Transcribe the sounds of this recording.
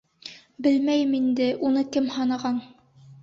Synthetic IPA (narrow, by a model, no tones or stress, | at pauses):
bɘlmæjɘmind̪ɘʔunɤkɘmhɑnɑʁɑn